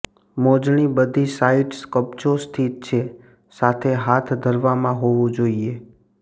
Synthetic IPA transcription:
mod͡ʒɳ̃ibəd̪ʱisaiʈskəp̚t͡ʃost̪ʰit̪̚t͡ʃʰe | sat̪ʰeɦat̪ʰd̪ʱəɾʋamãɦoʋũd͡ʒoie

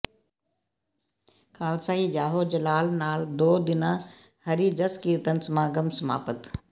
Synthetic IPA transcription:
kʰaːlsaːid͡ʒaːɦoːd͡ʑɐlaːlnaːld̪oːd̪ɪnã | hɐɾid͡ʒɐskiːɾt̪ənɪ̆smãːɡɐmsɐma̰ːpət̪

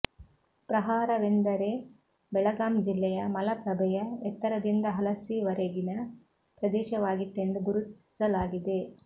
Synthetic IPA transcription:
pɾɐɦaːɾɐʋend̪ɐɾe | bɛɭɐɡaːmd͡ʒilːɛjɐmɐlɐpɾɐbʱɐjɐɛt̪ːɐɾɐd̪ind̪ɐɦɐlɐsiʋɐɾeɡinɐ | pɾɐd̪ɛːʃɐʋaːɡit̪ːend̪uɡuɾut̪i̥sɐlaːɡid̪e̞

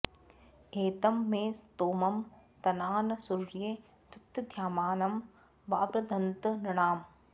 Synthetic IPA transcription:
eːt̪ɐmːẽːst̪oːmɐmt̪ɐnaːnɐsuɾjeː | t̪ut̪ːɐd̪ʱjaːmaːnɐm | ʋaːpɾɐd̪ʱɐnt̪ɐnɐɳ̃aːm

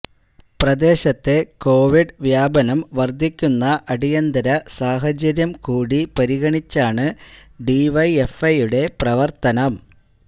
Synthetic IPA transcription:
prɐd̪e̞ːɕɐt̪ːe̞ko̞ːʋiɖʋjaːbɐnɐmʋɐrd̪ʱːikʲːunːɐʔɐɽijɐnd̪ɐɾɐsaːɦɐd͡ʑɐɾjɐmkuːɽipɐɾiɣɐɳit͡ɕːaːɳɨɖiʋɐje̞fɐjuɽe̞prɐʋɐrt̪ɐnɐm

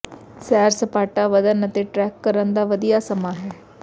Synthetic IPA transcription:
sɛːɾsəpaːʈaːʋəd̪ənət̪eːʈɾɛːkːəɾənd̪aːʋəd̪ijaːsəmaːɦɛː

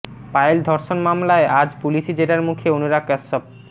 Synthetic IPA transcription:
pajeld̪ʱɔɾʃonmamlaeʔad͡ʑpuliʃid͡ʑeʈaɾmukʰeonuɾakːɛsɔp̚

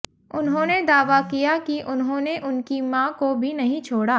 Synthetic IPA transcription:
ʊnɦõːned̪aːʋakijakiʔʊnɦõːneʔʊnkimãːkobʱinɐɦĩt͡ʃʰoːɽa

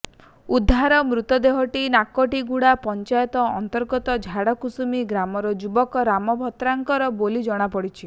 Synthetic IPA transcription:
ud̪ʱːaɾɔmɾut̪ɔd̪eɦɔʈinakɔʈiɡuɽapɔnt͡ʃajɔt̪ɔɔ̰nt̪ɔɾɡɔt̪ɔd͡ʒʱaɽɔkusumiɡɾamɔɾɔd͡ʒubɔkɔɾamɔbʱɔt̪ɾaŋkɔɾɔbolid͡ʒɔɽ̃apɔɽit͡ʃʰi

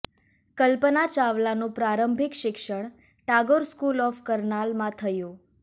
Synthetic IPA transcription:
kəlpənat͡ʃaʋlanũpɾaɾəmbʱɪkʃɪkʃəɳ̃ | ʈaɡoɾskulɔfkəɾnalmãt̪ʰəjũ

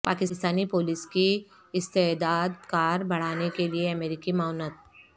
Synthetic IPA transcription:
paːkɪst̪aːnipoːlɪski | ɪst̪ed̪aːd̪kaːɾbɐɽ̤aːnekelieɐmeːɾɪkimaːnət̪̚

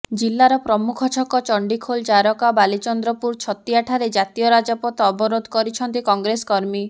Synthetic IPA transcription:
d͡ʒilːaɾɔpɾɔmukʰɔt͡ʃʰɔkɔt͡ʃɔɳɖikʰold͡ʒaɾɔkabalit͡ʃɔnd̪ɾɔpuɾt͡ʃʰɔt̪iaʈʰaɾed͡ʒat̪ijɔɾad͡ʒapɔt̪ɔbɔɾod̪ʱkɔɾit͡ʃʰɔnt̪ikɔŋɡɾeskɔɾmi

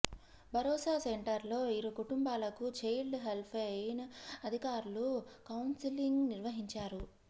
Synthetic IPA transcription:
bʱɐɾɔːsaːseɳʈɐɾlo̞ːiɾokuʈumbaːlɐkut͡ʃejlɖɦelpʰenɐɐd̪ʱikaːɾulukɐwnsiliŋɡniɾʋɐɦiɲt͡ʃaːɾu

